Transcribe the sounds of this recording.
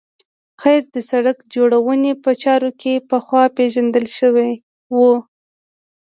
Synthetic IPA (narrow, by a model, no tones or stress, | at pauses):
xajɾd̪əsaɽakd͡ʒoɽawənepət͡ʃɑɾokepəxwɑpeʒand̪əlʃəwej | wu